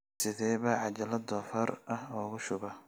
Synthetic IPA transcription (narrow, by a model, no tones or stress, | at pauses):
sɪðɛːβɐʕɑt͡ʃɐlɐd̪ɔfɐɾɐhɔːɣʊʃʊβɐ